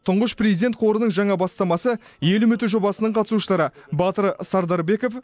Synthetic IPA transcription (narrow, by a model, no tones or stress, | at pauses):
t̪ʰʊɴʁəʃprezid̪et̪qʰoɾənəɴʒɑɴɑbɑst̪ɑmɑsə | je̞lʏmʏt̪ɪʒo̞bɑsənəɴqʰɑt̪ə̥suʃəlˠɑɾəbɑt̪əɾsɑɾd̪ɑɾbe̞kof